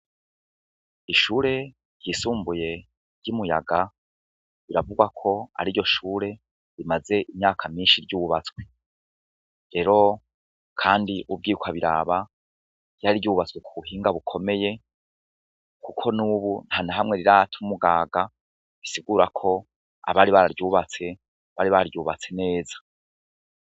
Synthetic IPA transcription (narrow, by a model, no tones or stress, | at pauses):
iʃuːɾe̞ | ɾjisuːmbuje̞ | ɾɟumuja̰ɡa | βiɾavuɡwakʰo̞a̰ɾiɾjo̞ʃuːɾe̞ | ɾimaze̞ʔimɲaːkʰamiːnʃiɾɟuːβat͡skwe | ɾe̞ɾo̞ | kʰaːndiʔub̚ɡiːkwaβiɾa̰ːβa | jaɾiɾɟuːβat͡swekʰuβuhiːŋɡaβukʰo̞me̞je̞ | kukʰo̞nuːβun̥hanaɦamŋe̞ɾiɾatʰumuɡaːɡa | βisiɡuːɾakʰo̞ | a̰βaːɾiβaɾaɾɟuːβat͡se̞ | βaɾiβaɾaɾɟuːβat͡se̞ne̞ːzḁ